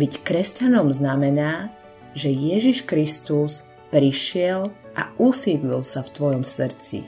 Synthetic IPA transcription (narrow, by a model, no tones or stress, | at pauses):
bickɾɛscanɔmznamɛnaː | ʒɛjɛʒiʃkɾist̪us | pɾiʃɪɛlʔa̰ʔusiːd̪lilsaft̪ʋɔjɔmsr̩t͡sḭ